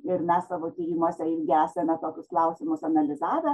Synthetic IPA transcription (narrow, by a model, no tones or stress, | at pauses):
ɪrmʲæssɑːʋoːt̪ʲijimuːsʲɛɪɾʲɡʲɪæːsʲɛmʲɛt̪oːkʲʊsklˠɐʊsʲɪmʊsɐnɐlʲɪzɑːʋʲɛ